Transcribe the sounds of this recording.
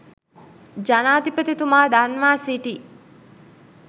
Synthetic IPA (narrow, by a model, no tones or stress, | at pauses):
d͡ʒanaːd̪ipət̪it̪umaːd̪anʋaːsiʈi